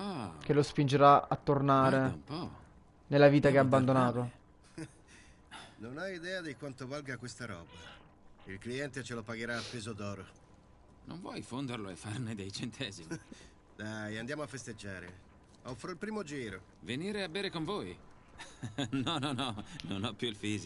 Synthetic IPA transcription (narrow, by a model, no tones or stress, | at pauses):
ɔk̟elːospind͡ʒeɾaat̪ːornaːɾeumpɔ | nelːaviːt̪akeaabːand̪onaːt̪o | nonajid̪ɛːad̪ikwant̪ovalɡakwest̪aɾɔ̰ːba | ilkliɛnt̪et͡ʃelopaɡeɾaːpːezod̪ɔːɾo | no̰ɱvwɔjfond̪erloefːarned̪ejt͡ʃent̪ʰɛːzimi | d̪ajand̪jaːmoafːest̪ed͡ʒːaːɾḛ | ɔfːɾoilpɾiːmod͡ʒiːɾo | veniːɾeabːeːɾekoɱvoːj | nɔnɔnɔnonɔpːjuilfiːzi